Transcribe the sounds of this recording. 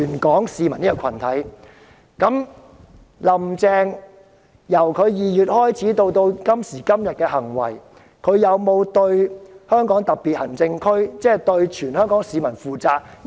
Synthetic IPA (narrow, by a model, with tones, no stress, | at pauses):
yː˨˩nkɔː˨˥ŋsiː˧mɐ˨˩ni˥kɔ˨˧kʰɐ˨˩nt̪ʰɐ˨˥j | kɐ˨˥m | lɐ˨˩mt͡sɛː˧ŋ | jɐ˨˩wkʰɵ˨˧ɥjiː˨jyː˨t̚hɔː˥jt͡sʰiː˨˥t̪o˧wt̪o˧wkɐ˥msiː˨˩kɐ˥mjɐ˨t̚kɛː˧hɐ˨˩ŋwɐ̰˨˩j | kʰɵ˨˧ɥjɐ˨˧wmo˨˧wt̪ɵ˧ɥhœː˥ŋkɔː˨˥ŋt̪ɐ˨k̚pi˨t̚hɐ˨˩ŋt͡sɪ˧ŋkʰɵ˥ɥt͡sɛː˥˨t̪ɵ˧ɥt͡ʃʰyː˨˩nhœː˥ŋkɔː˨˥ŋsiː˨˧mɐ˨˩nfuː˨˩t͡saː˧k̚